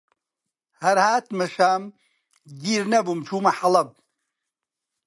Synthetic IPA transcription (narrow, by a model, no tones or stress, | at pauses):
hɐɾhaːt̪mɐʃaːm | d̪iɾnɐbumt͡ʃʰuːmɐħɐlɐb̚